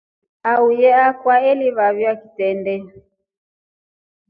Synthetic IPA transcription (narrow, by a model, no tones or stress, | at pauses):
aujɛakwaɛliβaβjaki̥tɛndɛ